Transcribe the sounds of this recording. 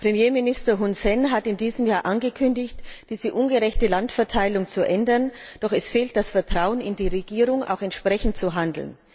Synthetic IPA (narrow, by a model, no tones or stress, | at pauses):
pʁ̥emjeːmɪnɪstɐɦunsɛnɦatɪndiːzəmjaːɐʔanɡəkʰʏndɪçtd̥iːzəʔʊnɡəʁɛçtəlantfɛɐtʰaɪlʊŋt͡suʔɛndɐn | d̥ɔχɛsfeːlt̚d̥asfɛɐtʁ̥aʊənɪndiːʁeɡiːʁʊŋʔa̰ʊxɛntʃpʁ̥ɛçn̩tt͡suɦandl̩n